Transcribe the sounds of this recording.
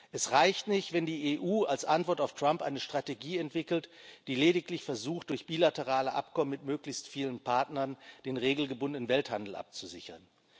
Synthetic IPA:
ʔɛsʁaɪçtnɪçtv̥ɛndiːeʔuːalsʔantv̥ɔɐtaʊftʁ̥ampʔa̰ɪnəʃtʁ̥ateɡiːɛntv̥ɪkl̩td̥iːleːɾɪklɪçfɛɐzuːxt̚d̥ʊɐçb̥iːlatəʁ̞aːləʔa̰pkɔmənmɪtmøːklɪçstfiːlənpʰaɐtnɐnd̥eːnʁeːɡl̩ɡəbʊndənənvɛlthandl̩ʔa̰p̚t͡suzɪ̰çɐ̰n

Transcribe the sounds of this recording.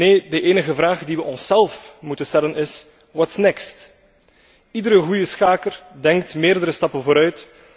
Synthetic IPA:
neːdəʔeːnəɣəvraːɣdiʋəʔɔnsɛlˠfmutənstɛlənɪs | ʋɑtɪ̥snɪkst | idəɾəɣujəsxaːkərdɛŋktmeːrdəɾəstɑpənvoːɾœɥt

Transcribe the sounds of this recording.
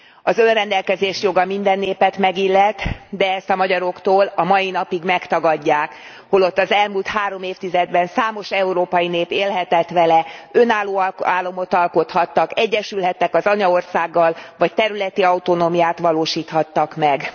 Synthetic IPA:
ɒzønrɛnd̪ɛlkɛzeːʃjo̞ɡɒmind̪ɛnːeːpɛt̪mɛɡilːɛt̪ːd̪ɛɛst̪ɒmɒɟɒɾo̞kt̪oːlɒmɒjinɒpiɡmɛkt̪ɒɡɒɟːaːk | ho̞lo̞t̪ːɒzɛlmuːlt̪haːɾo̞meːft̪izɛd̪bɛnsaːmo̞ʃɛuɾoːpɒjineːpeːlɦɛt̪ɛt̪ʋɛlɛønaːlːoːlaːlːo̞mo̞t̪ɒlko̞t̪hɒt̪ːɒkɛɟːɛʃylɦɛt̪ːɛkɒzɒɲɒo̞rsaːɡːɒlvɒc̚t̪ɛɾylɛt̪iɒut̪o̞noːmijaːt̪ʋɒloːʃiːt̪hɒt̪ːɒkmɛɡ

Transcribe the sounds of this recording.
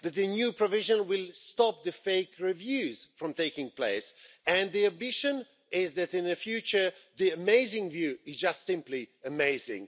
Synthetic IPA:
ðɛt̪̚d̪ənjupɹɔvɪʒə̃nwɪlst̪ɔp̚d̪əfeɪkɹivjʉzfɹɔ̃mt̪eɪkɪ̃ŋpleɪs | ɨ̃nd̪iãmbɪʃə̃n | ɪzðæt̪ɪ̃nəfjʉt͡ʃə˞ðiəmeɪzɪ̃ŋvjʉɪzd͡ʒastsɪ̃mpliəmeɪzɪ̰̃ŋ

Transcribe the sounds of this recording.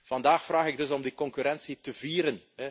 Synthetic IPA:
v̥ɑndaːxfraːxɪɡ̚dɵsɔmdikɔŋkyɾɛnsitəviːɾənɦɛ

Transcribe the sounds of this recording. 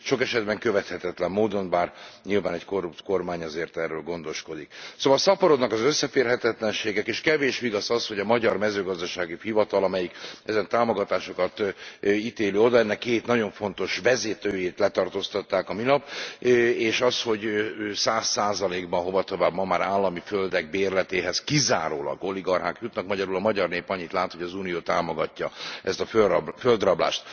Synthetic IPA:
ʃo̞kɛʃɛd̪bɛŋkøvɛt̪hɛt̪ɛt̪lɛmːoːd̪o̞nbaːrɲilvaːnɛcko̞rːupt̪ko̞rmaːɲɒzeːrt̪ɛrːøːlɡo̞nd̪oʃko̞d̪iksoːvɒlsɒpɒɾo̞d̪nɒkɒzøsːɛfeːrɦɛt̪ɛt̪lɛnʃeːɡɛkeːʃkɛveːʃʋiɡɒsɒshoɟɒmɒɟɒrmɛzøːɡɒzd̪ɒʃaːɡifivɒt̪ɒlɒmɛjikɛzɛnt̪aːmo̞ɡɒt̪aːʃo̞kɒt̪it̪eːløːo̞d̪ɒɛnːɛkːeːt̪nɒɟo̞ɱfo̞nt̪o̞ʃʋɛzeːt̪øːjeːt̪lɛt̪ɒrt̪oːst̪ɒt̪ːaːkɒminɒp | eːʃɒsho̞ɟsaːsːaːzɒleːɡbɒnɦo̞vɒt̪o̞vaːbmɒmaːɾaːlːɒmiføld̪ɛɡ̚beːrlɛt̪eːɦɛskiza̰ːɾoːlɒ̰ɡo̞liɡɒrɦaːkjut̪nɒkmɒɟɒɾulɒmɒɟɒrneːpɒɲːit̪laːt̪ho̞ɟɒzuːnijoːt̪aːmoɡɒcːɒʔɛst̪ɒføføld̪rɒbla̰ːʃt̪

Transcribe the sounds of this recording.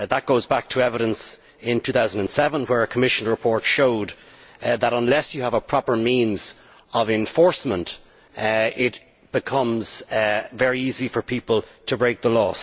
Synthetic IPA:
ðət̚ɡ̥oʊzbak̚tʰəɛvəɾə̃ns | ɪ̃ntʰʉːθaʊzən̩də̃nsɛvə̃nwə˞əkʰəmɪʃə̃n̩ɹəpʰɔɹtʃoʊd̪ | ðəɾə̃nlɛsjəəvəpʰɹ̥ɑpə˞mĩnz | ʌvɛ̃ɱfɔɹsmə̃nt | ɪt̚ | b̥ɨkʰʌ̃mz̥vɛɹiizifə˞pʰipəlˠtʰəbɹeɪk̚ðəlɔs

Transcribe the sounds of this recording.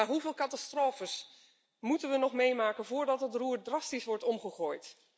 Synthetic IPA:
aɦuvɪːlˠkɑtastroːfəs | mutənʋənɔχmejmaːkənvʊːɹdɑtətruːrdrɑstisʋɔɹtɔmχəχoːjt

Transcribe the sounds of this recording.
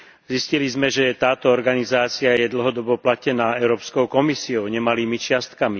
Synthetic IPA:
ziscilizmɛʒɛt̪aːt̪ɔɔɾɡanizaːt͡siajɛd̪l̩ɦɔd̪ɔbɔplacɛnaːɛʊɾɔːpskɔʊkɔmisiɔʊɲɛmaliːmit͡ʃɪast̪kami

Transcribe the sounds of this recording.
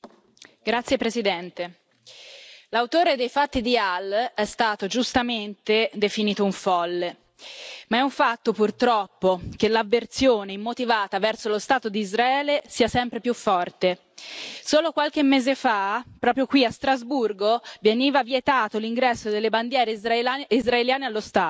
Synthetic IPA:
ɡ̥ɾat̪sjepɾesid̪ɛnt̪e | lawt̪oːɾed̪ejfat̪ːid̪ialːɛst̪aːt̪od͡ʒust̪ament̪ed̪efiniːt̪ouɱfɔlːe | maɛuɱfat̪ːopurt̪ɾɔpːokelːavːert̪sjoːneimːot̪ivaːt̪avɛrsolost̪aːt̪od̪iːzɾaɛːlesiːasɛmpɾepjufːɔrt̪e | soːlokwalk̟emːeːzefapɾɔːpɾjokwiast̪ɾazburɡoveniːvavjet̪aːt̪oliŋɡɾɛsːod̪elːeband̪jɛːɾeizɾaeljaːnealːost̪aː

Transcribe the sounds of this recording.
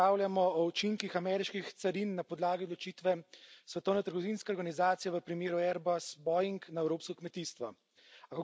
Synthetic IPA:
aːwljamɔɔut͡ʃiŋkixamɛɾiʃkixt̪saɾinːapɔd̪laːɡiɔd̪lɔt͡ʃiːt̪ʋɛsʋɛt̪ɔwnɛt̪əɾɡɔʋinskɛɔɾɡanizaːt̪sijɛʋəpɾimeːɾuɛɾbasbɔjiŋknaɛwɾoːpskɔkmɛt̪iːst̪ʋɔ | akɔ

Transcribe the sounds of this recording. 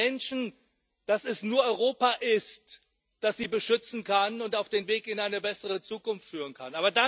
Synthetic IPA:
ɛnʃn̩ | d̥asɛsnuːɐʔɔʏʁ̞oːpaʔɪst | d̥asz̥iːbəʃʏt͡sn̩kʰanʊntaʊfd̥eːnveːkɪnaɪnəbɛsəʁ̞ət͡suːkʊnftfyːʁ̞ənkʰanʔaːbɐda

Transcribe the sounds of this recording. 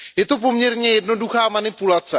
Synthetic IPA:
jɛt̪o̞p̬o̞mɲɛɾɲɛjɛdno̞duxaːmanɪpulat͡sɛ

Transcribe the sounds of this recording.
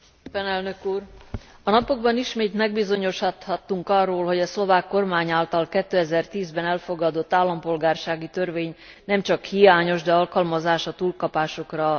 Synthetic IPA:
pɛnɛlnøkuːr | ɒnɒpo̞ɡ̚bɒniʃmeːt̪mɛɡbizo̞ɲo̞ʃhɒt̪hɒt̪ːuŋkɒrːoːlɦo̞ɟɒslo̞vaːkːo̞rmaːɲaːlt̪ɒlkɛt̪ːøːɛzɛrt̪iːzbɛnɛlfo̞ɡɒd̪o̞t̪ːaːlːɒmpo̞lɡaːrʃaːɡit̪ørveːɲ | nɛmt͡ʃɒkhijaːɲo̞ʒd̪ɛɒlkɒlmɒzaːʃɒt̪uːlkɒpaːʃo̞krɒ

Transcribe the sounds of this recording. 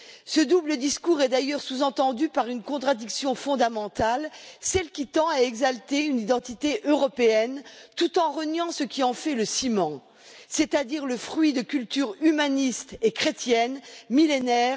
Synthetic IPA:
səd̪ubləd̪iskuʁɛd̪ajœʁsuzɑ̃t̪ɑ̃d̪ypaʁynkɔ̃t̪χad̪iksjɔ̃fɔ̃d̪amɑ̃t̪alsɛlkʲit̪ɑ̃aɛɡzalt̪eynid̪ɑ̃t̪it̪eʔøʁɔpeɛnt̪ut̪ɑ̃ʁənjɑ̃səkʲiɑ̃fɛləsimɑ̃ | set̪ad̪iʁləfχɥid̪əkʲylt̪yʁymanist̪ekχet̪jɛnmilenɛːʁ

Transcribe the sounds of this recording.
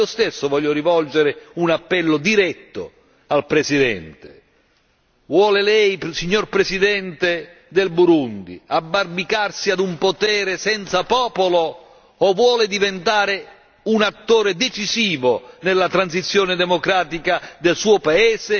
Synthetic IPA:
iːost̪esːʊvɔʎːoɾivɔld͡ʒeɾɪunapːɛlːʊd̪iɾɛt̪ːʊ̰ | alpɾɛsid̪ɛ̰nt̪ɪ̥ | vwɔːlɪlɛjsiɲːorpɾɛsid̪ɛnt̪e | d̪elbuɾund̪ḭabːarbikarsiad̪umpot̪ɛːɾɪsɛnt̪sapɔːpolo | ɔvwɔːlɪd̪ivent̪aːɾɪ | unat̪ːoːɾed̪et͡ʃiziːvonelːat̪ɾansit̪sːjoːnɪd̪ɛmokɾaːt̪ikad̪elsuːopaɛːse

